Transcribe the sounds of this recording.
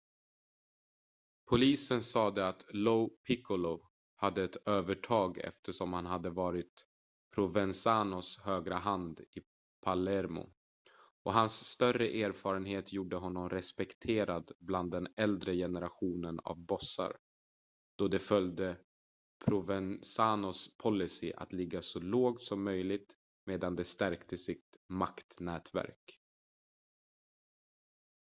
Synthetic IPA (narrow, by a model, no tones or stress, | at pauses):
pʰʊliːsənsɑːd̪ɛat̪lopʰɪkʊlɔ | had̪ːəɛt̪øːvəʈʰɑːɡɛ̰ft̪ʰəʂɔmhanɦad̪ːəvɑːɾɪt̪ | pʰɾʊvɛnsaːnʊshøːɡɾaɦand̪ɪ | pʰalɛɾmʊ̰ | ʔɔɦansːt̪œrəʔeːɾfɑːɾənɦeːt̪ʰjuːɖəɦɔnːɔmɾɛspɛkt̪ʰeːɾad̪bland̪ːɛnɛld̪ɾəjɛnəɾaɧuːnəna̰vbɔsa̰ɾ | d̪̥ɔd̪ɛfœld̪ə | pʰɾʊvɛnsaːnɔspʰɔlːɪsɪʔa̰t̪lɪɡːasɔloːɡ̚t̪sɔmːœjlɪɡ̚t̪ | meːd̪and̪ɛst̪æɾkt̪əsɪt̪makt̪nɛːt̪væ̰ɾk